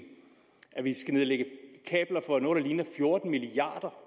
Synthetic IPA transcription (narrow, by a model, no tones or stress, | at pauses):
ʔæʋisɡ̥æneðˠleɡ̥əkʰɛ̰ːb̥lɐfɒ̽ænɔ̽ːɾ̥ɑliːnɐfjo̝ɐd̥n̩miliɑ̰̈ːd̥ɐ